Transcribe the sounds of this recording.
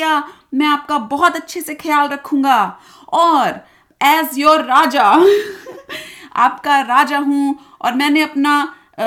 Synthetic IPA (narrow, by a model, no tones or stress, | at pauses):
a | mɛ̃aːp̚kabɔɦɔt̪ɐtːʃʰesexʰɐjaːlɾɐkʰũːŋɡa | ɔːɾ | ɛːsjoːɾːaːd͡ʒa | a̰ːpkaɾaːd͡ʒaɦũ | ɔ̰ːɾmɛ̃ːneɐpna